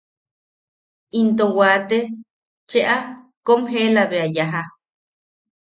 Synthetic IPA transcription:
int̪owaːt̪e | t͡ʃeʔa | komɦelaβeajaɦa

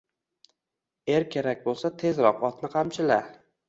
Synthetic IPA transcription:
e̞ɾkʲʰe̞ɾak̚ʲbolˠsat̪ʰe̞zɾɒqɒt̪nɪqʰɑmt͡ʃʰɪla

